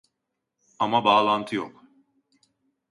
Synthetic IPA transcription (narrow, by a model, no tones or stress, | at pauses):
amabaːlˠant̪ʰɯjo̰k